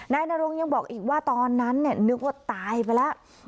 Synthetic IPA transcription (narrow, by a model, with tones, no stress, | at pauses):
naː˧jnaː˧ɾo˧ŋja˧ŋbɔː˨˩k̚ʔiː˨˩k̚waː˥˩t̪ɔː˧nːa˦˥nːi˥˩ənɯ˦˥k̚waː˥˩t̪aː˧jpa˧jlɛ˦˥ʔ